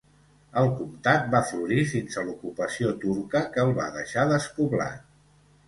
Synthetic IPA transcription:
əlˠkumt̪at̪̚bafluɾifinsəlukupəsiot̪uɾkəkəːlˠβa̰ðəʃaðəspuβla̰t̪

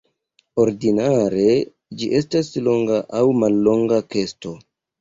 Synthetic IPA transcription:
o̞ɾdinaɾe̞ | d͡ʒiʔe̞staslo̞ŋɡaʔawmalːo̞ŋɡake̞sto̞

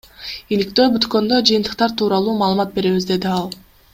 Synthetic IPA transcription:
ilik̚t̪ø̞ːbyt̪kø̞nd̪ø̞d͡ʒɯjɯnt̪ɯ̥q̚t̪ɑɾt̪ʰuːɾɑlˠuːmɑːlˠɯmɑt̪̚be̞ɾe̞βizd̪e̞d̪iɑlˠ

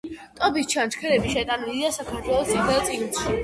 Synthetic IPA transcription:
t̪ʼɔbist͡ʃʰant͡ʃʰkʰɛɾɛbiʃɛt̪ʼanilid̪asakʰaɾt̪ʰwɛlˠɔst̪ʰiχɛlˠt̪sʼiɡnʃi

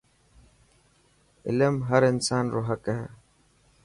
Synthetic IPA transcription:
ɪ̰ləmɦəɾɪnsaːnɾoːɦəkɦɛ̰ː

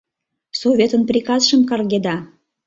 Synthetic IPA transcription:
sovʲet̪ənprʲikɑsʃəmkɑrɣed̪ɑ

